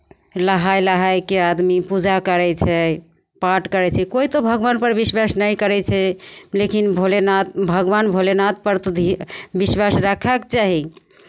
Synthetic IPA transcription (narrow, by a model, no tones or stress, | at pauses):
ləɦajləɦajkead̪mipud͡ʒakəɾɛt͡ʃʰɛ | paʈkəɾɛt͡ʃʰɛkoit̪obʱəɡʋanpəɾbiswasnəjkəɾɛt͡ʃʰɛlekinbʱolenabʱəɡʋanbʱolenat̪̚pəɾt̪od̪ʱibiswasɾakʰakt͡ʃaɦi